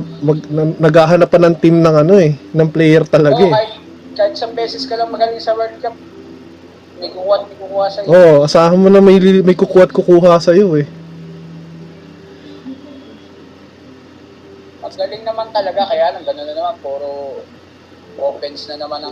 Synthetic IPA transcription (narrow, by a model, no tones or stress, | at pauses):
mɐɡnɐnɐɡhaːɦɐnapːɐnɐŋt̪imnɐŋɐno̞ɛnɐŋplɛjɛɾt̪ɐlɐɡaaɪt̪ | kaːhɪt̪̚sɐŋbɛːsɛskɐlɐŋmɐɡɐlɪŋsɐwɛɹd̪̚kap̚ | mɐjkukuːhɐt̪̚mɐɡkukuːhɐsɐjʔoʔʔɐsaːhɐmonɐmɐjlimɐjkʊkuːhɐt̪̚kʊkuːɦɐsɐjo̞ɛ | mɐɡɐlɪŋnɐmant̪ɐlɐɡakɐjaːʔɐnɐŋɡɐnononɐmanpɛːɾo | ʔoːpɛnsnɐnɐmanɐŋ